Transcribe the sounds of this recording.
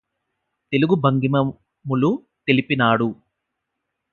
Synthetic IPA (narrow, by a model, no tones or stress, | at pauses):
t̪e̞luɡubʱɐŋɡimɐ | mulu | t̪e̞lipinaːɽu